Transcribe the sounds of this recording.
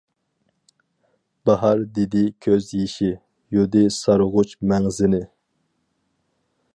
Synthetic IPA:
b̥ɑɦɑɾd̪ed̪ɪkʲʰøzjiʃi | jud̪ɪsɑɾʊʁʊt͡ʃmɛŋzɪnɪ

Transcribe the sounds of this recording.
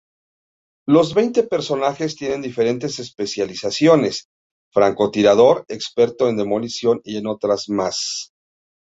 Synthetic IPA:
lo̞zβe̞jnt̪e̞pe̞ɾso̞naxe̞st̪je̞ne̞nd̪ife̞ɾe̞nt̪e̞se̞spe̞sjalisasjo̞ne̞s | fɾaŋko̞t̪iɾaðo̞ɾe̞kspe̞ɾt̪o̞e̞nd̪e̞mo̞lisjo̞nie̞no̞t̪ɾazmas

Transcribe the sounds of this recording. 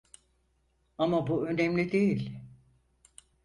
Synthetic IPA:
amabuø̞nɛmlʲid̪ejilʲ

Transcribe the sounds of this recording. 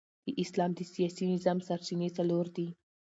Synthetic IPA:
d̪̥əʔɪslɑmd̪əsijɑsinɪzɑmsaɾt͡ʃinet͡saloɾd̪i

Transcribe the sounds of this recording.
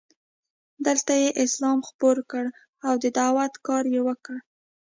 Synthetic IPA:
d̪əlt̪ajeʔɪslɑmxpoɾkəɽ | awd̪əd̪awat̪kɑɾjewəkəɽ

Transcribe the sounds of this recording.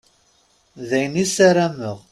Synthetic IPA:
ðæjnisæɾæməʁ

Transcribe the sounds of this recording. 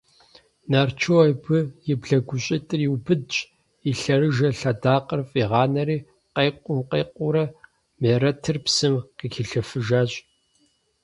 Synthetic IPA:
naːrt͡ʃʰoːɐjbɨjɪbɮɐɡʷʊɕʼɪtʼɨriwbɨdt͡ʃʼ | iɬɐrɨʒɐɬɐdaːqʼərfʼiʁɑːnɐɾiː | qɐjqʷʼʊmqɐːqʷʊɾɐ | meːɾɐtʰɨrpsɨmqiːxʰiɬɐfɨʒaːɕʼ

